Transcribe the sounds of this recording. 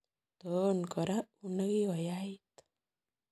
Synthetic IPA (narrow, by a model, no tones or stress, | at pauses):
t̪ɔnkɔɾaunəɡiɔjait̪